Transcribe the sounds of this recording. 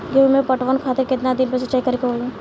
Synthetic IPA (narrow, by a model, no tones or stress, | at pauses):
ɡemẽpɐʈʋənkʰaːt̪ɪɾkɪt̪nad̪ɪnpesɐt͡ʃaːikɐɾikeɦoːẽ